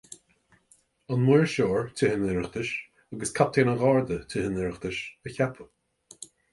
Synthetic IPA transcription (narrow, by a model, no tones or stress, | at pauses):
anmuːɹʃoːɹtʰɪhənɪɹəxd̪ɪʃ | aɡəskʰap̚t̪ʰeːnəɣɑːɹd̪ətʰɪɦənɪɹəxd̪ɪʃəçapʰə